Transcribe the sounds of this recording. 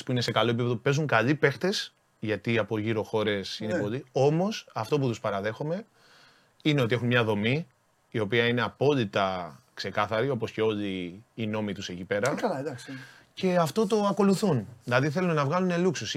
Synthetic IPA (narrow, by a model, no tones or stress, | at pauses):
spuine̞sekɐlo̞e̞pipe̞ðo̞upe̞zuŋkɐʎipe̞xt̪e̞s | ʝɐt̪iɐpo̞ʝiɾo̞xo̞ɾe̞sinepo̞ʎio̞mo̞sɐft̪o̞p̬ut̪uspɐɾɐðe̞xome̞ | ine̞o̞t̪ie̞xummɲɐðo̞mi | io̞piɐine̞ɐpo̞ʎit̪ɐkse̞kɐθɐɾio̞po̞sce̞o̞ʎiːno̞mit̪use̞cipe̞ɾɐɐlɐd̪ɐks | ce̞ɐft̪o̞t̪o̞ɐko̞luθunðilɐðiθe̞lunnɐvɣɐlune̞luksus